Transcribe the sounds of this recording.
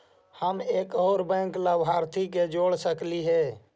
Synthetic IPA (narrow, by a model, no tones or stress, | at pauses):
həmeːkoːɾbɛ̃ːklabʱaːɾt̪ʰiked͡ʒoɽsəkliɦɛː